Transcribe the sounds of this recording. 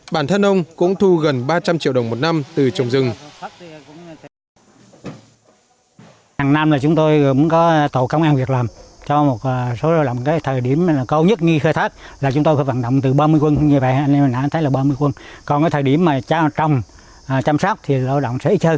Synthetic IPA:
ɓaː˧˩nt̪ʰə˧nʔə˧wŋ͡mkʊ̰˧˥ŋ͡mt̪ʰu˧ɣə˨˩nɓaː˧t͡ɕa˧mt͡ɕi˧˨wə˨˩wŋ͡mmo˨˩t̚na˧mt̪ɨ˨˩t͡ɕə˨˩wŋ͡mzɨ˨˩ŋ | haː˨˩ŋna˧mlaː˨˩t͡ɕʊ˨˦ŋ͡mt̪o˧jkʊ̰˧˥˦kɔ˨˦t̪o̰˧˨kə˧wŋ͡mʔaː˧nvi˨˩ək̚laː˨˩mt͡ɕɔ˧mo˨˩t̚ːso˨˦la˧wɗə̰˧˨wŋ͡mkaː˨˦jt̪ʰəː˨˩jɗi˧˩əm˨˩kə˧wɲə˦˥t̚ɲɨ˧xəː˧jt̪ʰaː˦˥k̚laː˨˩t͡ɕʊ˨˦ŋ͡mt̪o˧jfaː˨˦va̰˧˨nɗə̰˧˨wŋ͡mt̪ɨ˨˩ɓaː˧mɨ˧əjkwə˧nɲɨ˧və̰˧˨ʔha˧n˧mː˨˩naː˧˨˧t̪ʰə˨˦jlaː˨˩ɓaː˧mɨ˧əkwə˧nkɔ˨˩nkaː˨˦t̪ʰːɗi˧˩əmːaː˨˩t͡ɕaː˧t͡ɕə˨˩wŋ͡m | t͡ɕaː˧msɔ˦˥k͡p̚t̪ʰi˨˩˨laː˧˨wɗə̰˧˨wŋ͡msɛ̰˧˥ʔi˦˥k̚hʰəː˧

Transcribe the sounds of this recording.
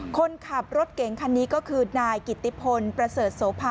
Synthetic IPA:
kʰo˧nkʰa˨˩p̚ɾo˦˥t̪̚ke˨˩˦ŋkʰa˧nːiː˦˥kɔː˥˩kʰɯː˧naː˧jki˨˩t̪ːi˦˩pʰo˧npɾa˧sɤː˨˩t̪̚so˩˦pʰaː˧

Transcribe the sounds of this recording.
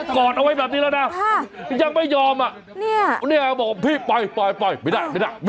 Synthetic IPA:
kɔː˨˩t̪̚ʔa˧wa˧jbɛː˨˩p̚niː˦˥lɛ˦˧˥naː˦˥˩ja˧˩ŋma˥˩jɔː˧mʔa˨˩ʔ | ni˥˩ni˥˩ɐkbɔː˨˩k̚wa˧pʰi˧˥˩pa˧jpɔ˧˩jpa˧˩jma˧˩daː˧˩ma˧˩da˧˩jm˧

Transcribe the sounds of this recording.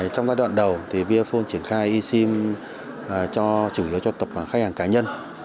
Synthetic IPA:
t͡ɕɔ˧wŋ͡mzaː˧jɗwa̰˧˨nɗə˨˩wt̪ʰi˨˩vi˧fo˧nt͡ɕi˧˩ənxaː˧jʔi˧si˧m | ʔt͡ɕɔ˧t͡ɕu˧˩hi˨˦əwt͡ɕɔ˧t̪ə˨˩p̚a˨˩xa˦˥k̚haː˨˩ŋkaː˨˦ɲə˧n

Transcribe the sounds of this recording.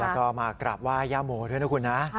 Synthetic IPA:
lɛː˦˥kɔː˥˩maː˧kɾa˨˩p̚waː˥˩jaː˥˩moː˨˩˦du˥˩nʰa˦˥kʰu˧nːa˦˥

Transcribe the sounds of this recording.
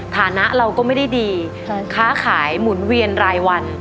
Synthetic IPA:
t̪ʰaː˩˦na˦˥ʔɾa˧wkɔː˥˩ma˥˩jda˥˩jdiː˧ | kʰaː˦˥˩kʰaː˩˦jmu˩˦nwi˧ənɾaː˧jwa˧n

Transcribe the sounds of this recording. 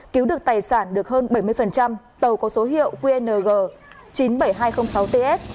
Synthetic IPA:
ki˨˦wɗɨ˨˩ək̚t̪aː˨˩jsaː˧˩nɗɨ˨˩ək̚ɦəː˧nɓə˧˩jmɨ˧əjfə˨˩nt͡ɕa˧m | t̪ə˨˩wkɔ˨˦so˨˦ɦḭ˧˨əwkwi˧ʔɛ˧nəː˨˩ɣəː˨˩ | t͡ɕi˨˦nɓə˧˩jɦaː˧jxə˧wŋ͡msa˨˦wt̪e˧ʔɛ˦˥s̚

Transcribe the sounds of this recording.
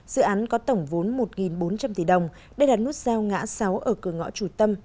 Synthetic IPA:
z̥ɨ̰˧˨ʔaː˨˦nkɔ˨˦t̪ə˧˩wŋ͡mvo˨˦nmo˨˩t̚ŋi˨˩nɓo˨˦nt͡ɕa˧mt̪i˧˩ɗə˨˩wŋ͡m | ɗe˧˩ɗaː˨˩t̚nu˦˥t̚zaː˧wŋa̰ː˧˥sa˨˦wʔəː˧˩kɨ˧˩əŋɔ̰˧˥t͡ɕu˧˩t̪ə˧m

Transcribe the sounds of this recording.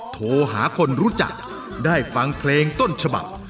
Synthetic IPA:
t̪ʰoː˧ɦaː˩˦kʰo˧nɾuː˦˥t͡ɕa̰˨˩k̚ | daː˥˩jfa˧ŋpʰleː˧ŋt̪o˥˩nt͡ɕʰa˧ba̰˨˩p̚

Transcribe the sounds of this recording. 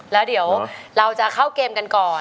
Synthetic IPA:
lɛː˦˥wdi˩˦əwɾa˧wt͡ɕa˨˩kʰa˥˩wkeː˧mka˧nkɔː˨˩

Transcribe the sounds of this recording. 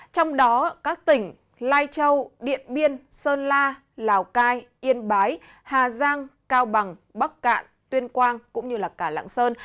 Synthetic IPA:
t͡ɕɔ˧wŋ͡mɗɔ˨˦kaː˦˥k̚t̪ï˧˩ŋ̟ | laː˧jt͡ɕə˧wɗḭ˧˨ənɓi˧ənsəː˧nlaː˧ | laː˨˩wkaː˧jʔi˧ənɓaː˨˦j | haː˨˩zaː˧ŋkaː˧wɓa˨˩ŋɓa˦˥k̚ka̰ː˧˨n | t̪wi˧ənkwaː˧ŋkʊ̰˧˥ŋ͡mɲɨ˧laː˨˩kaː˧˩la̰ː˧˨ŋsəː˧n

